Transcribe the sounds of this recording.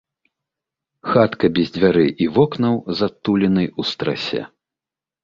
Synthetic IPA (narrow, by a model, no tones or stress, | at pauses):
xat̪kɐbʲɛzʲd͡zʲvʲaɾɨʔivɔknɐwzat̪ːulʲɛnɐjust̪ɾa̰sʲɛ̰